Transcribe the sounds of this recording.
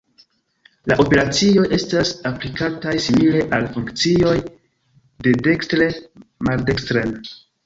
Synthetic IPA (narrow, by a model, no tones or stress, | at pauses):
la̰ʔo̞pe̞ɾat͡sio̞jʔe̞stasaplikatajsimile̞ʔalfuŋkt͡sio̞j | de̞de̞kstɾemaɾdekstɾen